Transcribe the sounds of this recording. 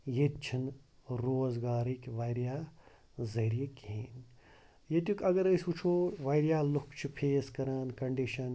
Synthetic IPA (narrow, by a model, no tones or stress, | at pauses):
jet̪̚t͡ʃʰinɾoːzɡaːɾiːkʋaːjɾjaː | zɐɦɾijekɦeːn | jet̪jukʲɐɡɐɾɐjsut͡ʃʰoːʋaːjɾjaːlukʰt͡ʃʰipʰeːskɐɾaːnkɐɳɖiʃɐn